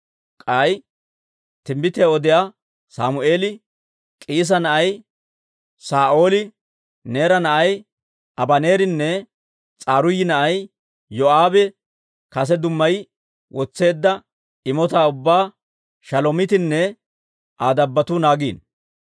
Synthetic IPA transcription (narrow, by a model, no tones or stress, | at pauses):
kʼaj | t̪ɪmːɪt̪ɛɔd̪ɪja | saːmʊʔe̞ːlɪ | kʼiːs̬ɐnɐʔɐj | saːʔo̞ːlɪ | ne̞ːɾɐnɐʔɐj | ʔɐbɐne̞ːɾɪnːɛ | t͡sʼaːɾʊjːɪnɐʔɐj | jɔʔaːbɛ | kɐs̬ɛd̪ʊmːɐj | wʔɔt͡sːe̞ːd̪ːɐ | ɪmɔt̪aːʊbːaː | ʃɐlɔmɪt̪ɪnːɛ | ʔaːd̪ɐbːɐt̪unaːɡiːn